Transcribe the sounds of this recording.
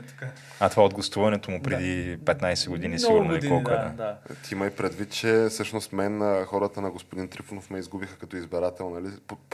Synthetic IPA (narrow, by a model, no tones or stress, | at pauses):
ka | ɐt̪ovaod̪̚ɡlˠɐst̪uvɐnɛt̪omʊpɾɛd̪ipɛt̪najsɛɡod̪inisiɡuɾnoikɔlˠk̪ɛd̪a̰d̪t̪ʰiiməjpɾɛd̪vit̪̚t͡ʃɛfsɤʃnost̪mɛnəxɔɾət̪ənɐɡospod̪int̪ɾifunofmɛizɡubixəkɐt̪ɔizbɛɾat̪ɛlˠnɐlipo